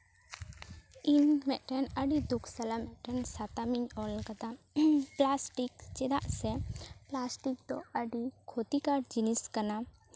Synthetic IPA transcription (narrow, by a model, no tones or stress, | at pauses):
inmɛʈɛnəɖid̪ukʰsəlamɛʈənsat̪amiɲɔlkət̪a | plasʈikt͡ʃɪd̪aʔsɛplasʈik̚t̪ɔəɖikʰot̪ikaʈd͡ʒiniskəna